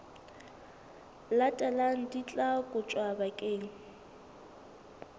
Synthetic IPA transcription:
latʼɛlaŋ̩dit͡ɬʼakʼʊt͡ʃʼwabakʼeːŋ̩

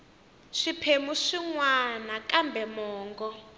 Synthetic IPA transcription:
ʂipʰemuʂiŋwanakambʱɛmɔːŋɡɔ

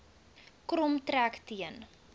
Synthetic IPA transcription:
krɔmtɾæktiən

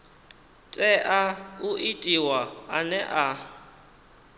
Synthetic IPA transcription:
tʼɛʔauʔitʼiwaanɛʔa

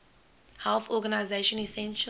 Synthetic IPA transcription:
hɛlθɔɡanaɪzeʃə̃nisɛ̃nʃ

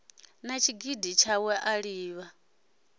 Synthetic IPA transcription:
nat͡ʃʰiɡidit͡ʃʰawɛʔaɺiːβa

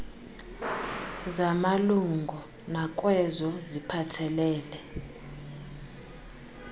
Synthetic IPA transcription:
zamaluŋɡʱɔ | nakʼwɛzɔzipʰatʰɛlɛːlɛ

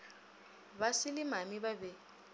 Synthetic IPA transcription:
βasɪlɪmamibabɛ

